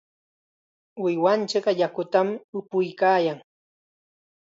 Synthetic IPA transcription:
wɪjwant͡ʃɪɢjakʊt̪amʊpʊjkaːjaŋ

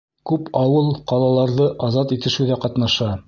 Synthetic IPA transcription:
kʉpɑwɤlˠqɑlˠɑlˠɑɾðɤʔɑzɑt̪it̪ɘ̆ʃɘwðæqɑt̪nɑʃɑ

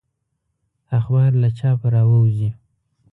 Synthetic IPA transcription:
axbɑɾlat͡ʃɑpaɾɑwəwzi

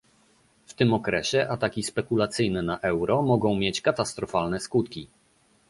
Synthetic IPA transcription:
ft̪ɘmɔkɾɛɕɛʔat̪akʲispɛkulat̪sɘjnɛnaʔɛwɾɔmɔɡɔ̃w̃mʲjet͡ɕkat̪ast̪ɾɔfalnɛskut̪kʲi

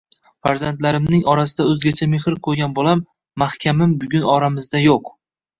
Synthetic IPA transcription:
faɾzant̪laɾɪmnɪŋɒɾasɪd̪aɵzɡʲat͡ʃʰamehɾkʰɵɾɡʲanbolamː | ahkʲʰamɪmbʊɡʲʊnɒɾamɪzd̪ajoq

